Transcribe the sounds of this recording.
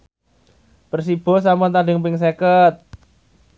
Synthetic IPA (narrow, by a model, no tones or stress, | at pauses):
pərsib̥ɔ̤s̬ampʊnt̪adɪ̤ŋpɪŋs̬ekət̪̚